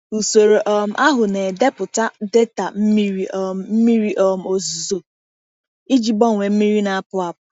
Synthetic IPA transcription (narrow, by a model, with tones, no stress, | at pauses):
u˨so˨ɾo˨ʔɔ˨m̩˨˦ʔa˦ɦʊ˨ne˨de˦pʊ˨ta˦de˦ta˨m̩˦mi˦ɾi˦˨m̩˦mi˦ɾi˦ʔɔ˦˨m̩˦o˨zu˨zo˨ | i˦d͡ʒi˨bɔ˦ŋʷe˨m̩˦mi˦ɾi˦na˨a˦pʊ˦a˨pʊ˨